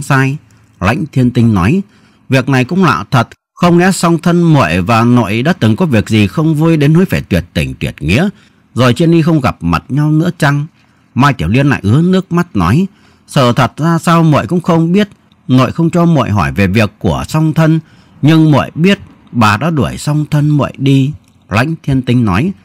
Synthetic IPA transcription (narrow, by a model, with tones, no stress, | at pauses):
saː˧j | la̰˧˥jŋ̟t̪ʰi˧ənt̪ï˧ŋ̟nɔ˨˦j | vi˨˩ək̚na˨˩jkʊ̰˧˥ŋ͡mla̰ː˧˨wt̪ʰə˨˩t̚ | xə˧wŋ͡mŋɛ̰˧˥sa˧wŋ͡mt̪ʰə˧nmo̰˧˨jvaː˨˩no̰˧˨jɗa̰ː˧˥t̪ɨ˨˩ŋkɔ˨˦vi˨˩ək̚zi˨˩xə˧wŋ͡mvu˧jɗe˨˦nho˧˨˦jfaː˧˩jt̪wḭ˨˩ət̚t̪ï˧˩ŋ̟t̪wi˨˩ət̚ŋḭ˧˥ə | zo˨˩jt͡ɕi˧ənɗi˧xə˧wŋ͡mɣa˨˩p̚ma˨˩t̚ɲa˧wnɨ̰˧˥ət͡ɕa˧ŋ | maː˧jt̪i˨˧˩əwli˧ənːa̰ː˧˨jʔɨ˨˦ənɨ˦˥ək̚ma˦˥t̚nɔ˨˦j | sə̰ː˧˨t̪ʰə˨˩t̚zaː˧saː˧wmo̰˧˨jkʊ̰˧˥ŋ͡mxə˧wŋ͡mɓi˦˥ət̚ | no̰˧˨jxə˧wŋ͡mt͡ɕɔ˧mo̰˧˨jɦɔ˧˩jve˨˩vi˨˩əkːu˧˩əsɔ˧wŋ͡mt̪ʰə˧n | ɲɨ˧ŋmo̰˧˨jɓi˦˥ət̚ | ɓaː˨˩ɗa̰ː˧˥ɗu˧˩əjsa˧wŋ͡mt̪ʰə˧nmo̰˧˨jɗi˧ | la̰˧˥jŋ̟t̪ʰi˧ənt̪ï˨˦ŋ̟nɔ˨˦j